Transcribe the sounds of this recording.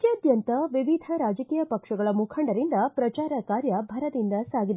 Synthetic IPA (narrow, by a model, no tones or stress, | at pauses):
keɐd̪jɐnt̪ɐʋiʋid̪ʱɐɾaːd͡ʒɐkiːjɐpɐkʂɐɡɐɭɐmukʰɐɳɖɐɾind̪ɐpɾɐt͡ʃaːɾɐkaːɾjɐbʱɐɾɐd̪ind̪ɐsaːɡid̪e